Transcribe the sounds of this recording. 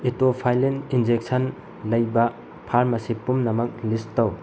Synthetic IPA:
itopʰajlenind͡ʒek̚sɐn | lɐjbɐ | pʰaɾmɐsipumnɐmɐk̚listɐw

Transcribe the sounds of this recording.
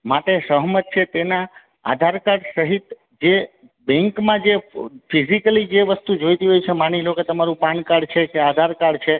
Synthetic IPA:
maʈesəɦmət̪̚t͡ʃʰet̪ena | a̰d̪ʱaɾkaɽsəɦit̪ | d͡ʒe | bɛ̃ŋkmãd͡ʒefizikəlid͡ʒeʋəst̪ud͡ʒojt̪iɦojt͡ʃʰemaniloket̪əmaɾũpankaɽt͡ʃʰekead̪ʱaɾkaɽt͡ʃʰe

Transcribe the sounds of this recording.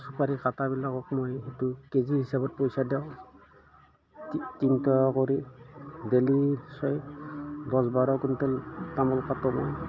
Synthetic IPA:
supaɹikatabilakɔkmojetukezihisabɔt̚pojsadɛʊ̃ | tintɔkoɹidelisɔjdɔsbaɹɔkuntɛltamɔlkatɔmɔj

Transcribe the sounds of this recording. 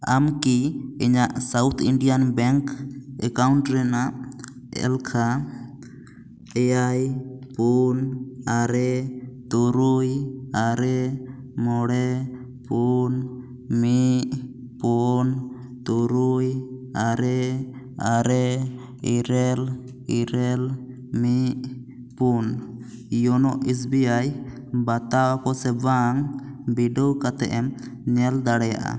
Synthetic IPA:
a̰mkiiɲaʔsawt̪ʰiɳɖijanbɛŋkɛ̰kauɳʈɾɛnaʔ | ɛ̰lkʰa | ɛjajpunaɾɛt̪uɾujaɾɛmɔɽɛ | pun | miʔ | pun | t̪uɾujaɾɛ | aɾɛ | iɾɛl | iɾɛl | miʔ | pun | jɔnɔʔis̬biaj | bat̪awakɔsɛbaŋbiɖɔwkat̪ɛ̰ʔɛm | ɲɛld̪aɽɛja̰ʔa̰

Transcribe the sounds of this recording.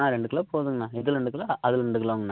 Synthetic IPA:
ãːɾɛɳɖɯkːɐlaːpoːðɯŋɡɐnãːɪðɯlɾɛɳɖɯkːɪlaːʔɐðɪlɾɛɳɖɯkːɐlaːŋɡɐnːã

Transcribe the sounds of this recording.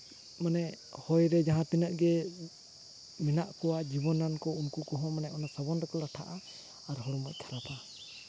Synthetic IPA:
manɛ | hɔjɾɛd͡ʒaɦãt̪inəʔɡɛ | mɛnaʔkɔwad͡ʒibɔnːankɔunkukɔɦɔ̃manɛʔɔnasabɔnɾɔkɔlaʈʰaʔaː | ɾɦɔɽɔmɔˀkʰaɾapʰa

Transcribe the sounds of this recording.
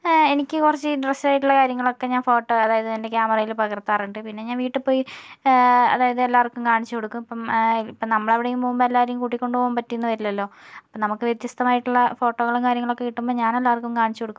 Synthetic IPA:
e̞nikʲːɨkurɐt͡ɕːɨɖreslaːjiʈːuɭːɐkaːɾjɐŋːɐɭo̞kːe̞ɲaːnfo̞ːʈːo̞ːɐðaːjɐðɨɐnde̞kʲjaːmɐrɐjilpɐɣɐrt̪ːaːruɳɖɨpinːe̞ɲaːnʋiːʈːɨpo̞ːji | ɐ̰ðaːjɐðɨelːaːʋɐrkːumkaːɳit͡ɕːuko̞ɽukːumɐpːɐmipːonɐmːɐɭeʋiɽejumpoːmbɐelːaːʋɐɾɐjumkuːʈːikʲːo̞ɳɖɨpo̞ːumpɐtːijnːɨʋɐɾilːɐlːo̞ːɐpːɐnɐmukːɨʋjet̪jɐst̪ɐmaːjiʈːuɭːɐfo̞ːʈːo̞ːɣɐɭumkaːɾjɐŋːɐɭokːe̞kiʈːumbo̞ːɲaːne̞lːaːʋɐrkːumkaːɳit͡ɕːuko̞ɽukːu

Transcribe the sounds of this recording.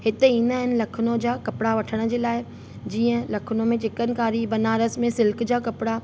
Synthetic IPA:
hɪt̪eiːnaːɦɪnɪ̆lɐkʰʊnõd͡ʑaːkɐpɪɽaʋɐʈʰəɽ̃ə̆d͡ʑeːlaːɪ | d͡ʑiːə̃lɐkʰʊnomẽt͡ɕɪkənkaːɾibɐnaːɾəsmẽsɪlkd͡ʑaːkɐpɪɽa

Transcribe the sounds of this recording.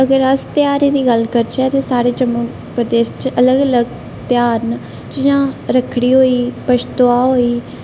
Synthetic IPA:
əɡəɾəst̪jaːɾeːd̪iːɡəlkəɾt͡ʃɛːt̪eːsaːɾeːd͡ʒəmuː | pɾəd̪eːst͡ʃələɡələɡ | t̪ɪjaːn | d͡ʒɪjãːɾəkʰɽiːɦoːiːpət͡ʃt̪oaːɦoːiː

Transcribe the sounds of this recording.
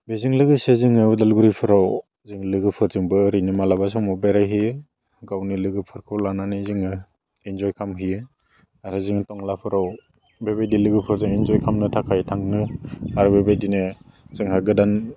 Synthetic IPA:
beziŋlɯɡɯseziŋɯudalɡuɾipʰɯɾaw | ziŋlɯɡɯpʰɯɾzɯŋbɯːɾinimalabas̬ɔŋmɔbeɾajɦij | ɡawnilɯɡɯpʰɯɾkʰɯwlananiziŋɯ | inzɔjkʰamɦi | aɾɯziŋtɔŋlapʰɯɾaw | bebedilɯɡɯpʰɯɾzɯŋinzɔjkʰamnɯtʰakʰajtʰaŋnɯaɾbebejdine | sɯŋɦaɡɯdan

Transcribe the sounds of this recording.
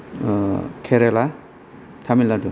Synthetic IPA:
kʰeɾela | tʰamiladu

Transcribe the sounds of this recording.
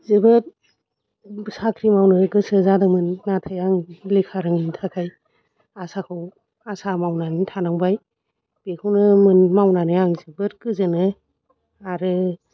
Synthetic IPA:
zɯbɯt̚ | bsakʰɾimawnɯɡɯsɯzadɯmɯnːatʰajaŋlikʰaɾɯŋmintʰakʰaj | asakʰɯw | asamawnanitʰanaŋbaj | b̥ekʰɯwnɯmɯnmawnanɯaŋzibɯɾ̚kɯzɯnɯ | aɾɯ

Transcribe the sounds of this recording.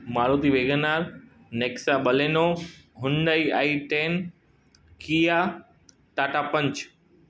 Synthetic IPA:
maːɾoːt̪iʋeːɡənaːɾ | neːksaɓɐleːnoɦʊnɖaia̰ːiʈeːn | kiːja | ʈaːʈapə̃ɲt͡ɕ

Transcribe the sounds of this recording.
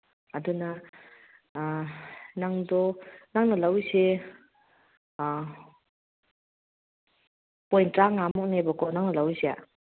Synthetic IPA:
ɐduna | naŋdɔnaŋnalawse | pɔjntɾaŋamɔk̚nebakʰɔnaŋnalawzea̰

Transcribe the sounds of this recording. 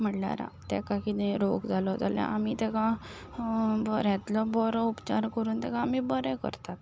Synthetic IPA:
m̤əʈlja̰ɾa̰t̪ɛ̰̃kakit̪ɛ̃ɾokd͡zalɔd͡zaljã̰ʔamit̪ɛkã | bəɾjɛãt̪lɔbɔɾɔupt͡ɕaɾkəɾuːnt̪ɛkãːmibəɾɛ̃kə̰ɾt̪at̪

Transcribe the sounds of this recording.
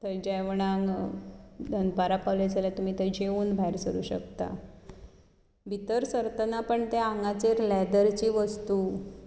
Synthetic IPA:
t̪əjd͡ʑəjʋɳ̃aŋɡ | d̪ʱənpaɾapaʋljad͡zʱaljat̪um̤iːt̪əjd͡ʑeuːnbʱaiɾsəɾṵːɕə̰kt̪a̰ | bʱit̪əɾsəɾt̪ənapəɳt̪eaŋɡat͡seɾlɛd̪əɾt͡ɕiːʋəst̪uː

